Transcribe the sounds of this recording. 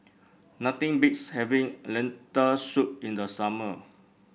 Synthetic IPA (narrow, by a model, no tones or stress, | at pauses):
nat̪ĩŋbitshɛvĩŋlɛ̃ntəsut̚ĩndəsamə